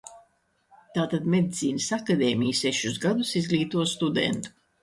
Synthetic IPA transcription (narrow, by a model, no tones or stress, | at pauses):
t̪aːt̪ad̪med̪it̪siːnɨsakad̪eːmʲijseʃuzɡad̪usizɡlʲiːt̪uɔst̪ud̪ɛ̰nt̪u̥